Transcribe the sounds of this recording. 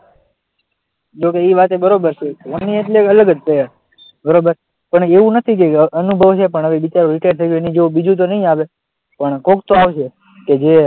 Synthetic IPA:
d͡ʒokeiʋat̪ebəɾobəɾt͡ʃʰeʋənːieʈleələɡəd͡ʒ̪pəja | bəɾobəɾ | pəɳeʋũnət̪ʰik̬eənubʱəʋt͡ʃʰep̬əɳəʋebit͡ʃaɾoɾɪʈaɖt̪ʰəjʃuenid͡ʒeũbid͡ʒũt̪̬onəɦĩaʋe | pəɳkokt̪oaʋt͡ʃʰe | ked͡ʒe

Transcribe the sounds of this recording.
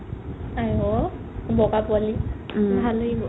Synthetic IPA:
ajɔ | bɔkapuali | bʱalɯ

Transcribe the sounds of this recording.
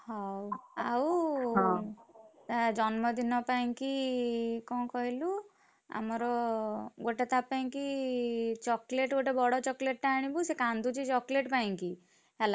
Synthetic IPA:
hɔwaw | t̪ad͡ʒɔnmɔd̪ʱinɔpaĩki | kɔ̃kɔɦilu | a̰mɔɾɔɡoʈet̪apaĩki | t͡ʃɔkleʈɡoʈebɔɽɔt͡ʃɔkleʈ̚ʈaːɽ̃ibusekãnd̪ʱut͡ʃit͡ʃɔkleʈpaĩŋki | ɦala

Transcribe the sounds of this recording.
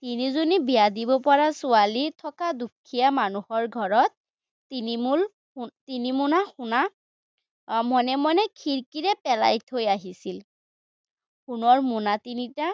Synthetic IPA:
tinizonibijadibɔpɔɹasʊalitʰɔkadukʰijamanuhɔɹɡʱɔɹɔt̚ː | inimul | tinimunaxuna | mɔnɛmɔnɛkʰiɹkiɹɛpɛla̰jtʰojaɦisil | xunɔɹmunatinita

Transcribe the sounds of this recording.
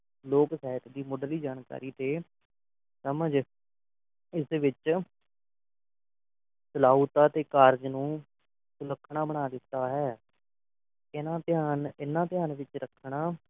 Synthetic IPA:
loːksɛːɦət̪d̪iːmʊɖliːd͡ʒaːnka̰ːɾiːt̪eː | səməd͡ʒ | ɪsʋɪt͡ʃ | səlaːut̪aːt̪eːkaːɾd͡ʒnũː | sʊləkʰːɳ̃aːbəɽ̃aːd̪ɪt̪ːaːɦɛː | ɪnãːpɪjaːnɪnːãːpɪjaːnʋɪt͡ʃɾəkʰɽ̃aː

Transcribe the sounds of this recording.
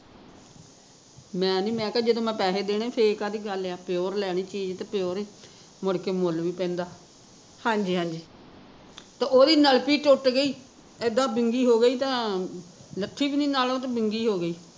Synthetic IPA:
mɛ̃ːnĩːmɛ̃ːkaːd͡ʒɪd̪õːmɛ̃ːpɛːseːd̪eːnẽːpʰekaːd̪iːɡəleaːpɪoːɾlɛːɽiːt͡ʃiːd͡ʒt̪eːpjoːɾː | mʊɽkeːmʊlʋiːpɛ̃ːnd̪aː | hãːɲd͡ʒiːɦãːɲd͡ʒiː | t̪ãːʔoːd̪iːnəlpiːʈʊʈɡəiː | ɪd̪aːbɪŋɡiːɦoːɡəiːt̪ãː | ləʈʰːiːbiːniːnaːlõt̪ːbɪŋɡiːɦoːɡəiː

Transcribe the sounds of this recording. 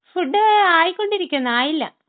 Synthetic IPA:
fuɖːɨaːjikːo̞ɳɖiɾikʲːunːɐaːjilːɐ̰

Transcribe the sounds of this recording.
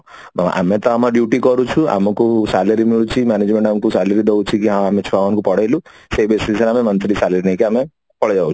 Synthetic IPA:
mama̰ʔa̰met̪ɔamaɖjuʈikɔɾut͡ʃʰua̰mɔkusaləɾimiɭut͡ʃʰimaned͡ʒmẽɳʈamkusaləɾid̪ewt͡ʃʰikiɦãamet͡ʃʰuamamkupɔɽajlu | sebesiiseɾamemənt̪ɾisaləɾinaikiame | pɔɽd͡ʒawt͡ʃʰu̥

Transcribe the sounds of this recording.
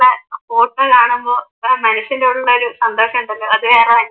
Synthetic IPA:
ɭːɐpoːʈːɐlaːɳembo̞ːmɐnɐɕːindeːɽuɭːɐo̞ɾusɐnd̪oːɕɐmuɳɖɐlːoɐðɨʋeːreʋɐnːɐ

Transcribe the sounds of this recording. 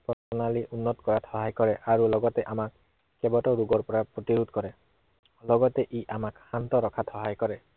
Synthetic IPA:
pɔsɔnaliʔunːɔtkɔɹathɔɦajkɔɹɛʔaɹulɔɡɔtɛʔamakː | ɛbɔtɔɹuɡɔɹpɔɹapɹotiɹudkɔɹɛ | lɔɡɔtɛʔiʔamakxantɔɹɔkʰathɔɦajkɔɹɛ

